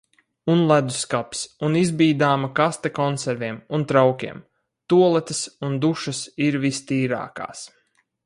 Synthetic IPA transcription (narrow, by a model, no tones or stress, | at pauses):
unlˠæd̪uskapʲsunizbiːd̪aːmɐkast̪ɛkɔnsɛɾvʲiɛmunt̪ɾawkʲiɛm | t̪uɔlˠɛt̪ɨsund̪uʃɐsiɾvist̪iːɾa̰ːka̰ːs